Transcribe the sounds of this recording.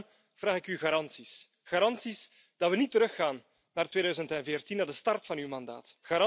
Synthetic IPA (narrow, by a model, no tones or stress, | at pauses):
v̥raːɣɪkyɣaːɾɑnsis | xaːɾɑnsis | d̥ɑtʋənitəɾɵxaːnː | aːrtweːdœːɥzəntɛnveːrtinaːrdəstɑrtfɑnywmɑnda̰ːtxaɾ